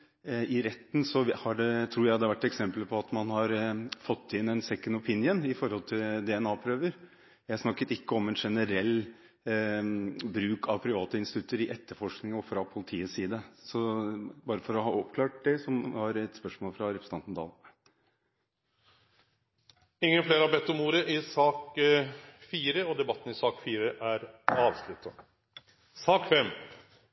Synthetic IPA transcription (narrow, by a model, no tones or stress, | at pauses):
ɪɾɛt̪ːn̩sɔhɑɖɛt̪ʰɾuːɾjæɪd̪ɛʋæʈːɛksɛmpləpʰɔɑt̪mɑnhɑɾfɔt̪ːɪnɛnsɛkːənʊpʰɪnjənɪfɔɾhɔlt̪ʰɪld̪ɛɛnɑːpʰɾøːʋəɾ | jæɪhɑsnɑkːət̪ɪkːəɔmɛnʂɛnəɾɛlː | bɾʉːkʰɑʋpʰɾɪʋɑːt̪əɪnsɪt̪ʰʉt̪ːəɾɪʔɛt̪ːəɾfɔʂknɪŋɔfɾɑpʰʊlɪt̪ʰiːəsiːd̪əsɔbɑːɾəfɔɾɔɦɑːɔpkʰlɑːʈ̚d̪ɛsɔmʋɑɾɛt̪spœʂmoːlfɾɑɾɛpɾsəɑnt̪n̩d̪ɑ̰ːl | ɪŋːənfleːɾhɑɾbɛt̪ːɔmuːɾəʔɪsɑːk | fiːɾəɔd̪ɛbɑt̪ːən̩ɪsɑːkfiːɾəʔæɾɑːʋslʉt̪ʰːə | sɑːkfɛmː